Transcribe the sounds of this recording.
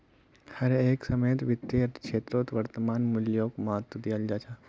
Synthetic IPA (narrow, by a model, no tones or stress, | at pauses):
hɐɾeːksɐməjt̪ʋɪt̪ːeɐkʃeːt̪ɾoːt̪ʋɐɾt̪əmaːnmʊljoːkmaːt̪ːud̪ijald͡ʒaːt͡ʃʰaː